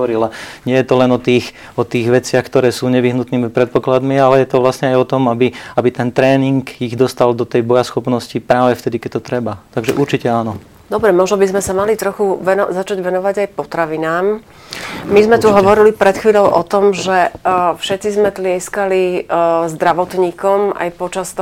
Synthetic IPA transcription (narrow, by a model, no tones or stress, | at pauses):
ɾilaɲɪɛjɛt̪ɔlɛnɔt̪iːx | ɔt̪iːɣʋɛt͡sɪaxkt̪ɔɾɛːsuːɲɛʋiɦnut̪niːmipɾɛt̪̚pɔklad̪mialɛjɛt̪ɔʋlasɲɛajɔt̪ɔmabiabit̪ɛnt̪ɾɛːniŋɡiɣd̪ɔst̪ald̪ɔt̪ɛjbɔjasxɔpnɔscipɾaːʋɛft̪ɛd̪ikɛc̚t̪ɔt̪ɾɛbat̪aɡʒɛʔuɾt͡ʃicɛanɔ | d̪ɔbɾɛmɔʒnɔbizmɛsamalit̪ɾɔxuʋɛnɔzat͡ʃaɟʋɛnɔʋaɟajpɔt̪ɾaʋinaːm | mizmɛt̪uɦɔʋɔɾilipɾɛt̪xʋiːʎɔʊʔɔt̪ɔmʒɛfʃɛt̪t͡sizmɛt̪lɪɛskalizd̪ɾaʋɔt̪ɲiːkɔma̰jpɔt͡ʃast̪ɔ